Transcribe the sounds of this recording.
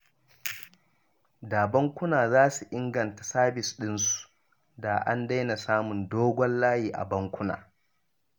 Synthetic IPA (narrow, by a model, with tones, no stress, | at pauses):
daː˨bɐ˦ŋkʷʊ˦naː˨zaː˦su˨ʔɪ˦ŋɡɐ˨ntḁ˨saː˦bɪ˨sɗɪ˦nsu̥˨ | da˨ʔa̰˦nda˦jna˨saː˦mʊ˨ndoː˦ɡʷɔ˦nlaː˦jiː˨ʔa̰˨bɐ˦ŋkʷʊ˦na̰ː˨